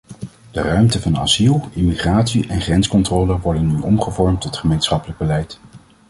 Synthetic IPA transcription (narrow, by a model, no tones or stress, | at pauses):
d̥ərœɥmtəvɑnɑ̰zilˠɪmiχraːtsiʔɛnχrɛnskɔntroːləʋɔɹdənːyʔɔmχəvɔɹmtɔtχəmejnsχɑpələɡ̚bəlɛjt